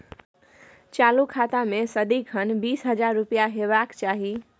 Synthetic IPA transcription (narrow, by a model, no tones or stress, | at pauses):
t͡ʃalukʰat̪amesəd̪ikʰənbiːsɦəd͡ʒaɾːupijaɦebakt͡ʃaɦi